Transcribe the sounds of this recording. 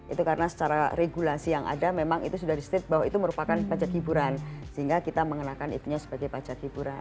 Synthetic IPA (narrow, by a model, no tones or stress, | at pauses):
ʔit̪ukaɾənasə̥t͡ʃaɾaɾeɡulasijaŋʔa̰damemaŋḭt̪usudahɾist̪ɪt̪̚baɦwait̪uməɾupakanpad͡ʒakibuɾansəɦiŋɡakit̪aməŋənakanḭt̪uɲasə̥baɡajpad͡ʒakibuɾa